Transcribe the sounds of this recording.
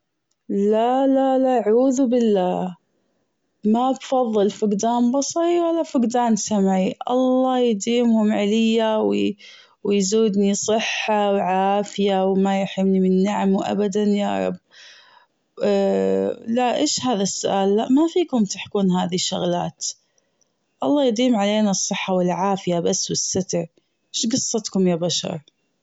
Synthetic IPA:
lalalaʔʕuːðbɪlːaː | mabfɑðˤːɨlfʊɡd̪aːnbɑsˤɑɾiwalːafʊɡd̪aːnsamʕiʔɑ̰lˤːɑːjd̪iːmhʊmʕalɪjːaw | wjzuːd̪nisˤɨħːawʕaːfɪjawmajʊħɪmnimɪnːaʕamwʔa̰bad̪anja̰ːɾˤɑ̰b̚ | laʔʔeːʃhaːðasːʊʔaːlːaʔmafiːkʊmt̪ɪħkuːnɦaːðiʃʊɣla̰ːt̪ | ʔɑlˤːɑːjd̪iːmʕaleːnasˤːɨħːawɪlʕaːfɪjabasːwɪsːat̪ɾ | ɪʃɡɑsˤːɑt̪kʊmjaːbaʃɑ̰ɾˤ

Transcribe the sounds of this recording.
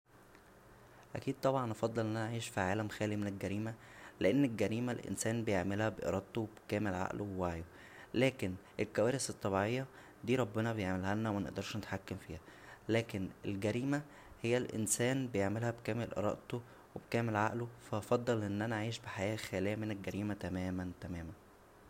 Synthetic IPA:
ʔækiːd̪̚t̪ˤɑbʕɑnʔɑfɑd̪ˤːɑlʔenʔænæʕiːʃfiʕaːlæmxæːlimenelɡæɾiːmæleʔenːelɡæɾiːmælʔḛnsæːnbejeʕmelhæbeʔḛɾˤɑʔt̪owebekæːmelʕa̰ʔlʔowaʕjo | læːkenʔelkæwæːɾeset̪ˤːɑβiʕejːɑ | d̪iːɾˤɑbːenɑbejeʕmelhælnæwmænḛʔd̪ɑɾˤʃnet̪ħakːæmfiːhælæːkenḛlɡæɾiːmæ | hejːælʔḛnsæːnbejeʕmelhæbekæːmelʔḛɾˤɑ̰ʔt̪o | webkæːmelʕa̰ʔlofæʔɑfɑd̪ˤːɑlʔenːʔænæʕiːʃbeħajæːxæːlejːæmenelɡæɾiːmæt̪æmæːmænt̪æmæːmæn

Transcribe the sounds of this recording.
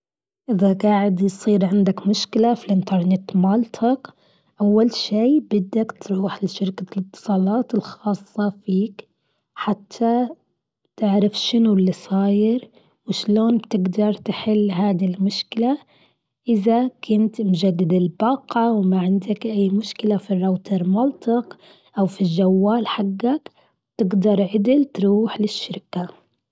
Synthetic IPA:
ʔɪðaɡaːʕɪd̪jsˤiːɾʕɪnd̪akmʊʃkɪlafilʔɪnt̪ɑɾˤnɪt̪mɑlt̪ʰɑk | ʔawːalʃeːbɪd̪ːakt̪ɾuːħlɪʃɪɾkalɨt̪ːɨ̥sˤɑːlɑːt̪ɪlxɑːsˤːɑfiːk | ħat̪ʰːa | t̪ɪʕɾafʃɪnulːisˤɑːjɪɾ | wɪʃloːnbt̪ɪɡd̪ɑɾˤt̪ɪħɪlːɦaːd̪ilmʊʃkɪla | ʔɪðakʰʊnt̪mʊd͡ʒad̪ːɪd̪ɪlbɑːqɑwmaʕɪnd̪akʔajːmʊʃkɪlafirˤːɑwt̪ʰɑɾmɑlt̪ˤɪq | ʔawfiʒawːaːlħaɡːak | b̥t̪ɪɡd̪ɑɾˤʕɪd̪ɪlt̪ɾuːħlɪʃːɪɾka

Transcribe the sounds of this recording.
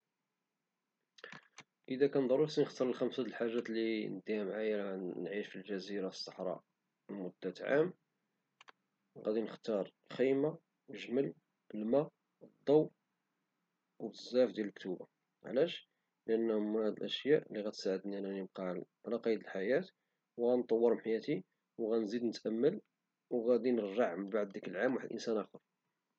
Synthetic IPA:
ʔəd̪ækænd̪ˤɑɾˤusinəxt̪ɑɾˤlxæmsæəlħaʒːæt̪linəd̪iæmʕajænʕiʃfilʒæziɾasˤːɑħɾˤɑ̰ | lmʊd̪ːæt̪ʕa̰m | ɣæ̰d̪inəxt̪ɑɾˤ | xijma | wəʒməl | əlmæ | d̪ˤːɑw | wəzːæfd̪jæləkt̪uba̰ | ʕlæʃ | ləʔənːhʊmhæd̪əlʔəʃjæʔlːiɣæt̪saʕəd̪ninænəb̚qɑʕlʕlæqɑjəd̪əlħajæt̪ | wɣænt̪ˤɑwːəɾˤħajæt̪i | wɣænzid̪nət̪ʔəmːəl | wɣæd̪inərːɑʕməbaʕd̪ːikəlʕamwaħəd̪lʔə̰nsænʔæxəɾ

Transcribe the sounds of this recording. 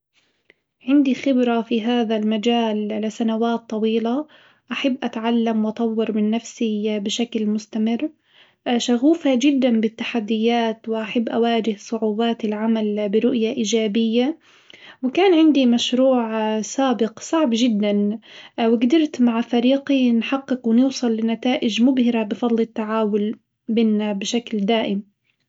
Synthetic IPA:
ʕɪnd̪ixɪbɾafiɦaːðalmad͡ʒaːllɪsanawaːt̪ˤːɑwiːla | ʔaħabːʔat̪ʕalːamwʔɑt̪ˤɑwːɪɾˤmɪnːafsibɪʃaklmʊst̪amɪrː | ʃaɣuːfad͡ʒɪd̪ːanbɪt̪ːḁħad̪ːɪjːaːt̪wɪʔaħabːʔawaːd͡ʒɪhsˤʊʕuːbaːt̪ɪlʕamalbɪɾʊʔjaʔiːd͡ʒaːbɪjːa | wɪkaːnʕɪnd̪imaʃɾuːʕsaːbɪqsˤɑʕbʒɪd̪ːanwɪɡd̪ɪɾt̪maʕfaɾiːqinħaqːɪqwɪnɪwsˤɨlːɪnːat̪aːʔɪd͡ʒmʊbhɪɾabɪfɑd̪ˤlɪt̪ːaʕaːwʊl | bɪːnːabɪʃakld̪aːʔɪm

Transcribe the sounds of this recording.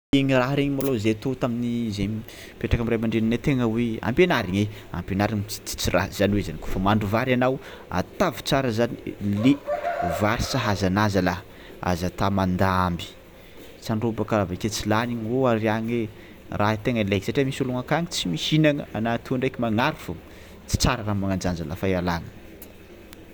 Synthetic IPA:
eŋiraɦɾeɲimalozet̪ot̪aminizeɲ | peʈ͡ʂakamiramaɳɖ͡ʐeninet̪eŋəwea̰mpenaɾiɲea̰mpenaɾiŋ̥i̥t͡sirʔa̰zanwezaniko̥fəmaɳɖ͡ʐuvaɾanaw | a̰t̪avi̥t͡saɾəzanilevaɾisaɦazanazala | a̰zat̪amand̪aambi̥ | t͡saɳɖ͡ʐobakaaveket͡silaniɲoaɾiaɲe | raɦit̪eŋəelekszaʈ͡ʂemisuluŋakaŋit͡simisinaŋəanat̪uɳɖ͡ʐekimaŋaɾifu | t͡si̥t͡saɾəɾamaŋand͡ʒand͡zalafajalaŋə

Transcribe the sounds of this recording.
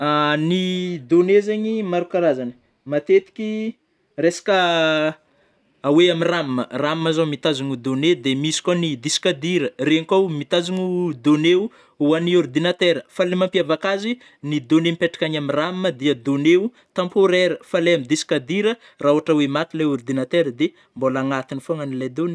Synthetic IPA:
anid̪onezeɲimaɾukaɾazanə | mat̪et̪i̥kʲi | resḁkə | aweamiramməramːazamit̪azuŋud̪oned̪emisi̥kʲanid̪isi̥kad̪iɾəreŋkawmit̪aziɲud̪oneu | uaniuɾd̪inat̪eɾəfalemampiavakazi | nid̪onemipeʈ͡ʂḁkʲaɲamiramməd̪iəd̪oneu | t̪ãmpoɾɛɾəfalejamid̪isi̥kad̪iɾə | rauaʈ͡ʂawemat̪ileuɾd̪inat̪eɾəd̪e | mbolaŋat̪inifoŋanilajd̪oni

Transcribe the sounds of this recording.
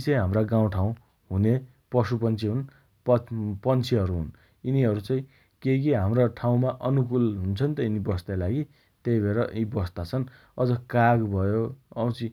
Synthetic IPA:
sʌjɦamraɡãw̃ʈʰaw̃ | ɦune | pʌsupʌnt͡sʰiɦun | pʌpʌnt͡sʰiɦʌɾuɦṵn | iniɦʌɾut͡saĩ | kekiɦamraʈʰaw̃maʔʌnukulɦunt͡sʰʌnt̪ʌinibʌst̪alaɡi | t̪ejbʱeɾʌʔĩbʌst̪at͡sʰʌn | ʌd͡zʌkaɡbʱʌjoʌw̃t͡sʰi

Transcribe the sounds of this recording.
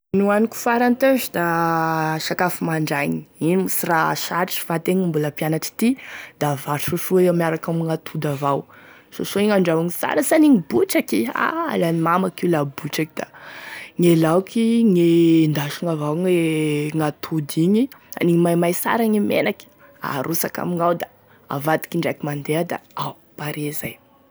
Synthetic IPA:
nuaniku̥faɾant̪ezid̪a | ʃakafimaɳɖ͡ʐajɲiinimisiraʃaʈ͡ʂi̥fat̪eɲimbuləpianaʈ͡ʂi̥t̪id̪̥avaɾʃoʃueamiaɾakamŋat̪ʰud̪avaw | so̰soŋaɳɖ͡ʐawiŋisa̰ɾəsaniŋibuʈ͡ʂakia̰a̰lanimamakilabuʈ͡ʂakid̪̥aŋelawkiŋend̪aʃiŋavawŋeŋat̪ʰud̪iɲia̰niɲimajmajsa̰ɾaŋimḛnaki̥ | a̰ɾʔusaka̰miŋawd̪a | a̰vad̪i̥kiɳɖ͡ʐakimand̪ead̪a̰a | paɾezaj

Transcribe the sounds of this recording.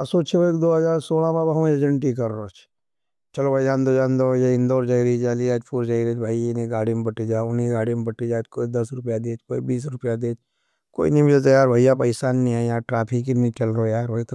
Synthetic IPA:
ɐsot͡ʃʰebekd̪oːɦɐzaːɾsoːlãmebɐɦmed͡ʒəɳʈikɐɾːoːt͡ʃʰ | t͡ʃɐlobʱaid͡ʒaːnd̪od͡ʒaːnd̪ojaɪ̃nd̪oːɾd͡ʒaːiɾid͡ʒaːliaːd͡ʒpʰuɾd͡ʒaːiɾet͡ʃbʱaːiɪniɡaːɽimebɐʈid͡ʒaːʊniɡaːɽimebɐʈid͡ʒaːt͡ʃkoːid̪ɐsɾʊpjad̪eːt͡ʃko̰ːibiːs̬ɾʊpjad̪eːt͡ʃ | ko̰ːḭnĩmɪd͡ʒət̪ajaːɾbʱaijapɐɪsaːnːĩaːjaːɾʈɾaːpʰɪkinĩt͡ʃɐlɾojaːɾbʱait̪

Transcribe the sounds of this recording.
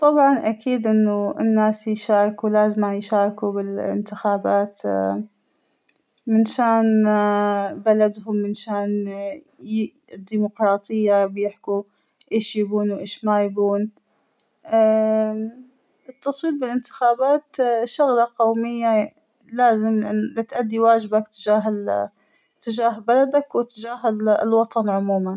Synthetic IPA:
t̪ˤɑbʕɑnʔakʰiːd̪ʔɪnːʊɪnːaːsjʃaːɾˤkulaːzmajʃaːɾˤkubɪlɪ̰nt̪ɪxaːbaːt̪ | mɪnʃaːn | balad̪ɦʊmːɪnʃaːn | d̪ːiːmʊqɾˤɑːt̪ˤɨjːabjɪħku | ʔeːʃjaɡuːnwʔeːʃmajbuːn | ʔa | ɪt̪ːɑsˤwiːt̪̚bɪlʔɪnt̪ɪ̥xaːbaːt̪ʃʊɣlaqowmɪjːa | laːzɪmɪlɪt̪ʔad̪ːiwaːd͡ʒɪbakt̪ɪd͡ʒaːɦ | t̪ɪd͡ʒaːɦbalad̪akwɪt̪ɪd͡ʒaːɦɪlwɑt̪ˤɑnʕʊmuːman

